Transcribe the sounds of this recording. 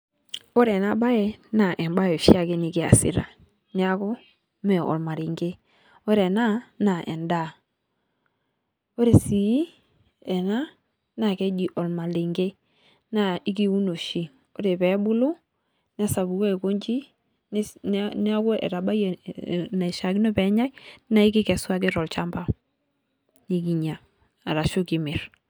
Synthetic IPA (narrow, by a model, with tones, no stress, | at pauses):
o˦ɾe˨na˦ba˦je˨na˨ʔɛ˨mba˦je˨ʃi˦a˦˨ke˦ni˨ki˨a̰˨sḭ˨ɾa̰˨ | ni˦a˦ko˦ | mɛ˨ɔ̰˨lma˨ɾi˨ŋɡe˦ | o˦ɾe˨na˦na˨ʔɛ̰˨nda˦˨ | o˦ɾe˨si˨˦ | ɛ˨na˦ | na˨ke˦d͡ʒi˨ʔo˨lma˨li˨ŋɡe˦ | na˦i˦ki˦u˦no˨ʃi˨ | o˦ɾe˨pɛ˨˦bʊ˦lu˦ | nɛ˦sa˨bu˨ko˦e˨ko˦ɲd͡ʒi˦ | n˦nɛ˦a˦kʊ˦ʔɛ̰˨ɾa˨ba˦je˨na˨ʃa˨ɡi˦no˦pɛ˨˦ɲa˦jna˦ɪ˦kɪ˦kɛ˨swa˦kɪ˦ɾɔ˨lt͡ʃa˦mba˦ | ni˨ki˨ɲa˨ | a˨ɾa˨ʃʊ˦ki˨mɪ˨ɾ